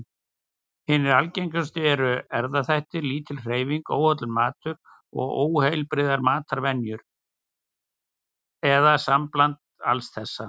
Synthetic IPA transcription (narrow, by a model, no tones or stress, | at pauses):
hɪnːɪɾalcejɲkʏst̪ɪɛɾʏɛɾðaθajht̪ɪɾliːt̪ʰɪlr̥eːjviŋkoːwhœt̪lɪɾmaːt̪ʏɾ | ɔ̰ɣoːwhejlpɾɪðaɾmaːt̪ʰaɾvɛnjʏɾ | ɛðasamplant̪a̰lsθɛsːa